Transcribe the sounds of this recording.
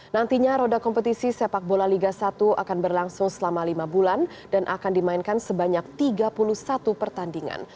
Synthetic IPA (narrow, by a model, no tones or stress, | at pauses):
nant̪iɲaɾodakɔmpət̪isisepak̚bolaliɡasat̪uʔa̰kanbərlaŋsʊŋsəlamalimabulan | danʔa̰kandimainkansəbaɲak̚t̪iɡapuluhsat̪upərt̪andiŋa̰n